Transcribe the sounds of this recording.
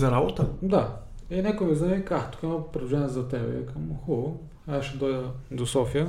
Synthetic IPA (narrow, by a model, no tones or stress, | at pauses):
zɐɾabot̪əd̪ainɛkʊmiznaikakt̪ʊ̥kɛmopɾɛd̪vuʒɛnizɐt̪ɛlɛ̰jɐ̰kɐmxɔ | asʃɛd̪ɔjd̪əd̪osɔfijə